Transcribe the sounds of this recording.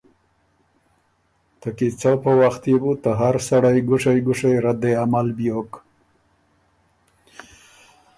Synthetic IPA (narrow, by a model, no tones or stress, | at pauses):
t̪əkit͡sapəwaxt̪ebut̪əɦaɾsaɽajɡʊʂajɡʊʂajɾad̪eamalbjok